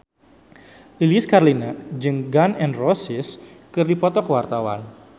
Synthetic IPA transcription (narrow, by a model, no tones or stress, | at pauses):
ʔiliɪskarlinad͡ʒɨŋɡanɛnrɔsɪs | kɨrdipɔt̪ɔkəwart̪awa̰n